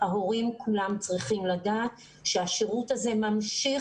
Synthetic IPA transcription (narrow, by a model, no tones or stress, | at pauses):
haɦo̞ʁimkulamt͡sʁiχimladaːt | ʃeaʃeʁutaze̞mamʃi